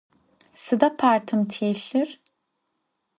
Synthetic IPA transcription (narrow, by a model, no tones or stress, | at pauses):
sɯd̪apʰaɾt̪ʰɯmt̪ʰiɬiɾ̥